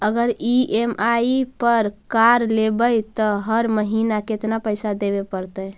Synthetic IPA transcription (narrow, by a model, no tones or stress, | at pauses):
əɡəɾiʔemaipəɾkaɾlebəjt̪ɔɦəɾməɦinaket̪napəjsad̪ebepəɾt̪əj